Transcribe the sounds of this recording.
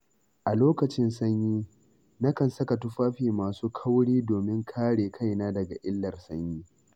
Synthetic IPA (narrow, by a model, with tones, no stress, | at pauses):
ʔa˨loː˦kɐ˨t͡ʃɪ˦nsɐ˦ɲjiː˦ | na˦kɐ˨nsɐ˦ka˨tʊ˦ɸaː˦ɸiː˨maː˨suː˦kʰɐ˦wɽiː˦doː˨mɪ˦ŋkʰaː˦ɽeː˨kʰa˦jnaː˦dɐ˨ɡa˨ʔɪ˦lːɐ˨rsɐ˦ɲjiː˦